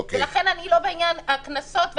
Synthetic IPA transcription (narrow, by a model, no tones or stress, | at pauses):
laχenanilo̞beinjanaknaso̞tv